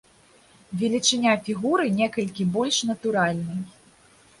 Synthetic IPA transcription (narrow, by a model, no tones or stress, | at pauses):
vʲɛlʲit͡ʂɨnʲafʲiɣuɾɨnʲɛkɐlʲkʲibɔlʲʂnɐt̪uɾalʲnɐj